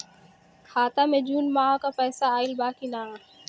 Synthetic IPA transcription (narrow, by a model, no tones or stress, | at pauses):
kʰaːt̪amẽd͡ʒuːnmaːkapɛːsaaːɪlbaːkina